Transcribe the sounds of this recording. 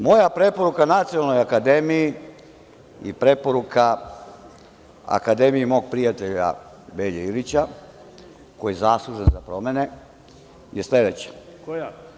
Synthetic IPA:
mo̞japɾe̞po̞ɾukanat̪sionalno̞jakad̪e̞miji | ipɾe̞po̞ɾukʰa | a̰kad̪e̞mijimo̞ːɡ̚pɾijat̪eʎa̰ | beʎeilit͡ɕa | kojezaslˠuʒenzapɾo̞mene̞ | jesled̪et͡ɕḁk

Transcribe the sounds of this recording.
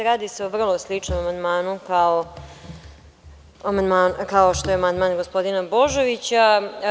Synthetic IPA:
ɾaːd̪iseoʋr̩lˠoslˠit͡ʂnomamand̪maːnukao | amand̪maːnkaoʃt̪ojeamand̪maːnɡospo̞d̪inabo̞ʒoʋit͡ɕa

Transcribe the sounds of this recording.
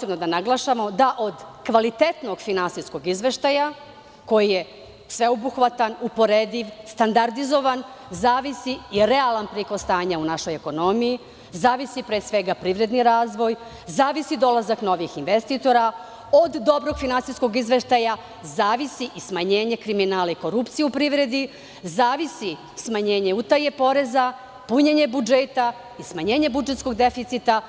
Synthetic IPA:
sebnod̪anaɡlˠaːʃamo̞d̪aʔo̞d̪kʋalit̪e̞t̪no̞ɡ̥finansisko̞ɡizʋe̞ʃt̪aja | ko̞jije | sʋe̞obuxʋat̪anupo̞ɾed̪iʋst̪and̪aɾd̪izo̞ʋanzaːʋisiːɾe̞alˠanpɾikosst̪aːɲaunaʃo̞jeko̞no̞miji | zaːʋisipɾesʋe̞ɡapɾiːʋɾe̞d̪niɾaːzʋo̞j | zaːʋisid̪o̞lˠazakno̞ʋixinʋest̪it̪o̞ɾa | od̪ːo̞bɾo̞ɡ̥finansijskoɡizʋe̞ʃt̪aja | zaːʋisiʔismaɲe̞ːɲe̞kɾiminaːlaiko̞ɾupt̪sijeupɾiʋɾe̞d̪i | zaːʋisi | smaɲe̞ːɲe̞ut̪aje̞po̞ɾe̞za | puɲeɲe̞bud͡ʒet̪a | ismaɲe̞ːɲe̞bud͡ʒe̞t̪sko̞ɡd̪e̞fit̪sit̪a

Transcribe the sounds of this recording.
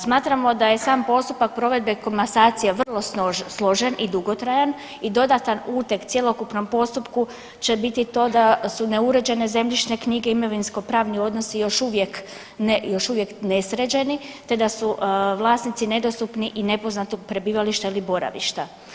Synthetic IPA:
smaːt̪ɾamo̞d̪aje̞saːmpo̞st̪upak̚pɾo̞ʋe̞d̪̚be̞ko̞mbasaːt̪sijaʋr̩lˠo̞slˠo̞ʒenid̪uɡo̞t̪ɾajan | id̪o̞d̪at̪anuːt̪ekt̪sʲje̞lo̞kupno̞mpo̞st̪upku | t͡ɕe̞bit̪it̪o̞ːd̪asune̞uɾe̞d͡ʑe̞ne̞ze̞mʎʲiʃne̞kɲiɡe̞imoʋinsko̞pɾaːʋnio̞d̪no̞sijo̞ʃuʋje̞k | nejo̞ʃuʋje̞kne̞sɾed͡ʑe̞nit̪e̞d̪asuʋlˠaːsnit̪sine̞d̪o̞st̪upniʔine̞po̞znat̪oɡ̚pɾe̞biːʋaliʃt̪ailibo̞ɾa̰ʋḭʃt̪a

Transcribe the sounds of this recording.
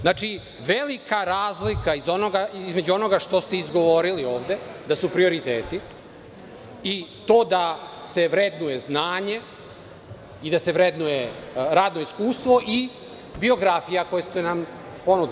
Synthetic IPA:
znaːt͡ʃi | ʋelikaɾaːzlikaizo̞noɡaizme̞d͡ʒuo̞no̞ɡaʃt̪o̞st̪eizɡo̞ʋo̞ɾilio̞ːʋd̪e̞d̪asupɾio̞ɾit̪eːt̪i | it̪o̞ːd̪ase̞ʋɾe̞d̪nuje̞znaːɲe̞ | id̪ase̞ʋɾed̪nujeɾaːd̪no̞iskuːst̪ʋo̞ʔi | bio̞ɡɾafijako̞jest̪enam | po̞nud̪

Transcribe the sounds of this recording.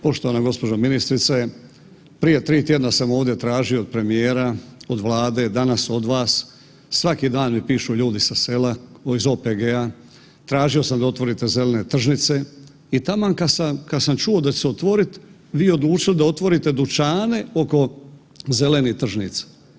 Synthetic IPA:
po̞ʃt̪o̞ʋanaɡo̞spo̞d͡ʒaminist̪ɾit̪se | pɾije̞t̪ɾiːt̪je̞d̪nasamo̞ːʋvd̪je̞t̪ɾaːʒio̞ːd̪̚pɾe̞mijeːɾaod̪ʋlˠaːd̪e̞d̪anaso̞d̪ʋaːsː | ʋakid̪aːnmipiːʃuʎuːd̪isase̞laizoːpeɡea | t̪ɾaːʒio̞samd̪ao̞t̪ʋo̞ɾit̪e̞ze̞lene̞t̪r̩ʒnit̪se̞ | it̪amakasakad̪samt͡ʃuod̪at͡ɕeseot̪ʋo̞ɾit̪ | ʋiːo̞d̪luːt͡ʃild̪ao̞t̪ʋo̞ɾit̪e̞d̪ut͡ʃaːne̞o̞ko̞ | ze̞le̞nit̪r̩ʒnit̪sḁ

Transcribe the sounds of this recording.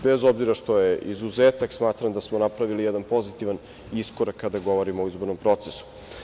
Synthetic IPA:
be̞zobziɾaʃt̪o̞jeizuzeːt̪aksmaːt̪ɾamd̪asmonapɾaʋilijɛd̪anpo̞zit̪iʋan | iskoɾakːad̪aɡo̞ʋo̞ɾimoːizbo̞ɾnompɾo̞t̪sesu̥

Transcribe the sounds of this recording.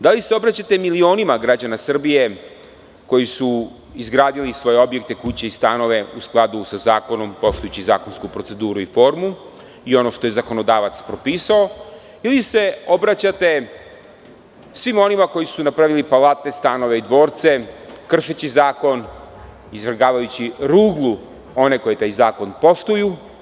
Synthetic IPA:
d̪aliseo̞bɾat͡ɕat̪e̞milio̞ːnimaɡɾad͡ʑanasr̩bije̞ | ko̞jisu | izɡɾaːd̪ilisʋo̞je̞o̞bje̞k̚t̪e̞kut͡ɕe̞ist̪ano̞ʋe̞usklˠad̪usazaːko̞no̞mpo̞ʃt̪ujut͡ɕiza̰ːkonskupɾo̞t̪se̞d̪uːɾuifo̞ːɾmu | io̞no̞ʃt̪o̞je̞zako̞no̞d̪aːʋat̪spɾo̞piːsao | ilise̞o̞bɾat͡ɕat̪e̞ | sʋimo̞nimako̞jisunapɾaʋilipalˠat̪ne̞st̪ano̞ʋe̞id̪ʋo̞ːɾt̪se̞kr̩ʃet͡ɕizaːko̞n | izʋɾɡaːʋajut͡ɕiɾuːɡlˠu | o̞ne̞ko̞jet̪aːjzaːko̞npo̞ʃt̪uju

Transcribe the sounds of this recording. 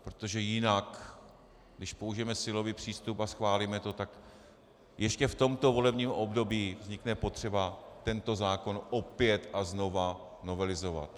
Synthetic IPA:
pɾo̥t̪o̞ʒɛjɪnak | ɡdɪʃpo̞uʒɪjɛmɛsɪlo̞viːpr̝̥iːst̪upasxvaːliːmɛt̪o̞t̪ak | jɛʃcɛft̪o̞mt̪o̞vo̞lɛbɲiːmʔobdo̞biːvzɲɪknɛpo̞t̪r̥ɛbat̪ɛnt̪o̞zaːko̞nʔo̞pjɛt̪ʔazno̞va | no̞vɛlɪzo̞va̰t̪

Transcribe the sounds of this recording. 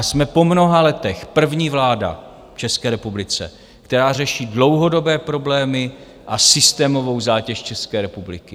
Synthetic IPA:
smɛpo̞mno̞ɦalɛt̪ɛxpr̩vɲiːvlaːda̰ | ft͡ʃɛskɛːɾɛpublɪt͡sɛ̰ | kt̪ɛɾaːr̝ɛʃiːdlo̞wɦo̞do̞bɛːpɾo̞blɛːmɪ | ʔasɪst̪ɛːmo̞vo̞wzaːcɛʃt͡ʃɛskɛːɾɛpublɪkɪ

